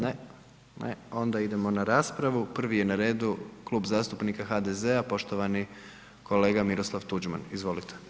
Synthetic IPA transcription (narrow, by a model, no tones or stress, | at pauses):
ne | nḛo̞nd̪aid̪e̞mo̞naɾaːspɾaʋupr̩ʋije̞naɾe̞ːd̪ukluːbzaːst̪upnikaxad̪eze̞apo̞ʃt̪o̞ʋani | ko̞le̞ːɡamiɾo̞slˠaʋt̪ud͡ʒma̰nizʋo̞lit̪ʰe̥